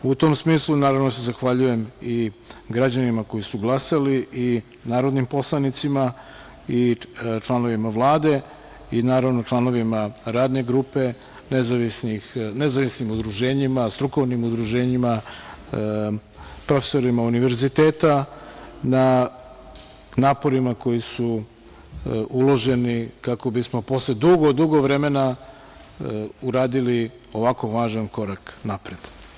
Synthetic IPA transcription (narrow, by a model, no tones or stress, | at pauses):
ut̪o̞ːmsmiːslˠunaːɾavno̞se̞zaxʋaʎuje̞miɡɾad͡ʑanimako̞jisuɡlˠasaliʔi | naːɾo̞d̪nimpo̞slˠanit̪sima | it͡ʃlˠano̞ʋimaʋlˠaːd̪e̞ | inaːɾaʋno̞t͡ʃlˠano̞ʋimaɾaːd̪ne̞ɡɾuːpe̞ | nezaʋisnixnezaʋisnimud̪ɾuʒeːɲimast̪ɾuko̞ʋnimud̪ɾuʒe̞ɲima | pɾo̞fe̥so̞ɾimauniʋe̞ɾzit̪e̞ːt̪a | na | naːpo̞ɾimako̞jisu | ulˠo̞ʒe̞nikako̞bismo̞po̞sled̪uɡod̪uɡo̞ʋɾe̞me̞na | uɾaːd̪ili | o̞ʋako̞ʋaːʒanko̞ɾaknapɾed̪̥